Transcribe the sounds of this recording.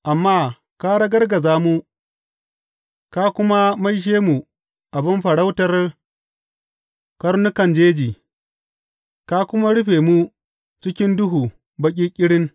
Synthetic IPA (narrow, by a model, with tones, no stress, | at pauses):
ʔa˨mːaː˦ | ka˦ɽɐ˦ɡɐ˦rɡɐ˨zaː˦mu˦ | ka˦kʷʊ˦ma˦ma˦jʃ̬eː˦mu˨ | ʔa˨bɪ˦mɸɐ˨ɽa˦wtɐ˦r | kɐ˦ɾnʊ˦kɐ˨nd͡ʒeː˦d͡ʒiː˨ | ka˦kʷʊ˦ma˦ɽʊ˦ɸeː˨mu˦ | t͡ʃɪ˦kʲɪ˦ndʊ˦ɦuː˨ | bɐ˦k̬ʲʼiː˦kʲʼɪ˦ɽɪ˦ŋ